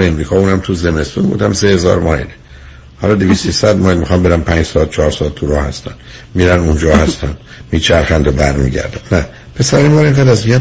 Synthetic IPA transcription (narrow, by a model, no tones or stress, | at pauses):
eemɾiːkʰɒːuːnæmt̪ʰuze̞me̞st̪uːnbṵːd̪æmsehe̞zɒ̰ːɾmɒile | hɒlɒːd̪eviːst̪isæd̪mɒːjlmixɒmbeɾæmpʰæːnd͡ʒsɒd̪̥̚t͡ʃʰɒːɾsɒːd̪̚tʰːuɾɒːhæ̰st̪æ̰nd̪ | miɾænund͡ʒɒːhæst̪ænd̪ | miːt͡ʃʰæɾxænd̪obæɾmḭɟæ̰ɾd̪ænnæ | pʰe̞sæɾimbɒːɾeŋɡæːd̪æzmiɡæ